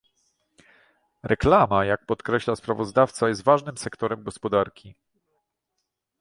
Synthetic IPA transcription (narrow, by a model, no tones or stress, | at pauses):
ɾʔɛklamajak̚pɔt̪kɾɛɕlaspɾavɔzd̪aft̪sajɛst̪vaʐnɘmsɛkt̪ɔɾɛmɡɔspɔd̪aɾkʲi